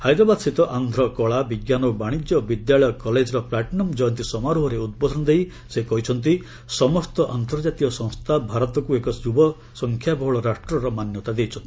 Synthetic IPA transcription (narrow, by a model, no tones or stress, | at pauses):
hajd̪ɾɔbad̪sit̪ɔʔand̪ʱɾɔkɔɭabiɡjanɔbaɽ̃ikjɔbid̪jaɭɔjɔkɔled͡ʒɾɔplaʈnɔmd͡ʒɔjɔnt̪isɔmaɾuɦɔɾeud̪̚bɔd̪ʱɔnɔd̪ej | sekɔɦit͡ʃʰɔnt̪̬i | sɔmɔst̪ɔʔant̪ɔɾd͡ʒat̪iɔsɔ̃ŋ̃st̪ʰabʱaɾɔt̪ɔkuekɔjubɔ | sɔŋkʰjabɔɦɔɭɔɾasʈɾɔɾɔmanjɔt̪ad̪ejt͡ʃʰɔnt̪i